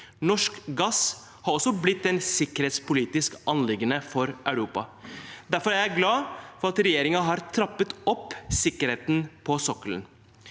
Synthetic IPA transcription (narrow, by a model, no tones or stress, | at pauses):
nɔʂkɡɑs | hɑːɾɔsɔblɪt̪̚d̪ɛnsɪkəɾheːt̪spʊliːt̪ɪskɑnlɪɡənəfɔɾʔœʉɾuːpɑ̰d̪æɾfɔɾæɾjæɪɡlɑːfɔɾɑt̪ɾɛjeːɾɪŋɑɦɑːɾt̪ʰɾɑpːət̪ɔpːsɪkəɾheːt̪n̩pʰɔsɔkələ̰n